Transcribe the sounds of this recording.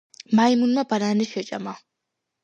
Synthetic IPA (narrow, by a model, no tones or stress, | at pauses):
majmunmabananɛʃɛt͡ʃʼa̰ma